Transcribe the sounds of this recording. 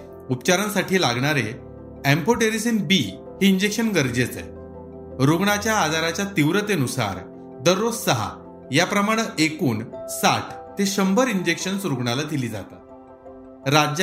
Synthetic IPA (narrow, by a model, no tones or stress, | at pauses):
upt͡ɕaɾənsaʈʰiːlaɡɳaɾe | ɛmpoʈeɾisinbi | ɦiiɲd͡ʑekɕənɡəɾd͡ʑet͡sə̰ | ɾuɡɳat͡ɕjaːd͡zaɾat͡ɕjat̪iʋɾət̪eənusa̰ɾ | d̪əɾːod͡zsəɦa̰ | japɾəmaɽ̃əʔekuːnsaʈʰt̪eɕəmbʱəɾiɲd͡ʑekʂənsɾuɡɳalad̪iliːd͡za̰t̪a̰t̪ | ɾad͡ʑ